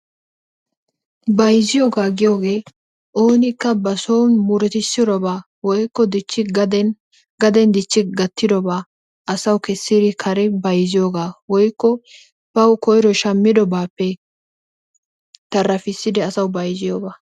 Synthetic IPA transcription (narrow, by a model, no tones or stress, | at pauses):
bɐjzɪjoːɡaːɡɪjo̞ːɡe̞ː | ʔoːnɪkːɐbɐsownmʊɾɛt̪ɪsːɪd̪ɔbaː | wɔjkːɔd̪ɪt͡ʃːɪd̪ | ɡɐd̪ɛnd̪ɪt͡ʃːɪɡɐt̪ːɪd̪ɔbaː | ʔɐsɐwʊkɛsːɪd̪ɪkʰɐɾɛbɐjzɪjoːɡaːwɔjkːɔ | b̥ɐwkɔjɾɔʃɐmːɪd̪ɔbaːpːɛ | t̪ɐrːɐfɪsːɪd̪ɛɐsɐwbɐjzɪjoːɡaː